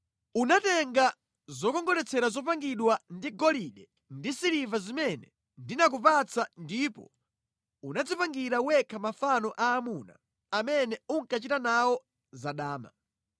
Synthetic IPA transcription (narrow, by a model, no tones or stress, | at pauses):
unatɛŋɡa | zɔkɔŋɡɔlɛt͡sʰɛɾazɔp̬aŋɡiɗwandiɡɔliɗɛ | ndisiɾivazimɛnɛ | ndinak̬upat͡sʰandipɔ̰ | unad͡zipaŋɡiɾauwɛkʰamafanɔʔaːmuna̰ː | mɛnɛuŋkat͡ʃitanawɔ | zaɗaːma̰